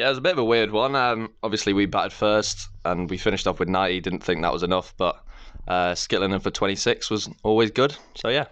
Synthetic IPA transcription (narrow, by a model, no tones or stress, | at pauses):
jæɪwəzəbɪtəvəwɪəd̚wʌ̃nʌ̃mɒbviəsliwibaʔəd̥fɜˑstʔə̃nwifɪ̃nɪʃtɒfwɨðnaɪtidɪdⁿn̩θɪ̃ŋk̚ðə̰ʔwɒzɪnʌfb̥ʌʔʔʌskɪʔlɪ̃ndə̃nfətʰw̥ɛ̃ñtisɪkswɒzɔːlˠwɪzɡʊd̥soʊjæ